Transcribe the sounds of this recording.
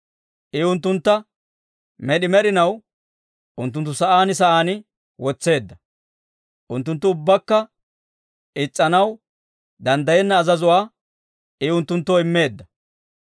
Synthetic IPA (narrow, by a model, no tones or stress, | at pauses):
ʔɪʊnt̪ːʊnt̪ːɐ | mɛɗɪmɛɾɪnɐw | ʔʊnt̪ːʊnt̪ːʊsɐʔaːnɪsɐʔaːnɪ | wɔt͡sːe̞ːd̪ːɐ | ʔʊnt̪ːʊnt̪̬ːʊʊbːɐkːɐ | ɪt͡sʼːɐnɐw | d̪ɐnd̪ɐjɛnːɐːzɐzʊwaː | ɪʊnt̪ːʊnt̪ːɔɪmːe̞ːd̪ːɐ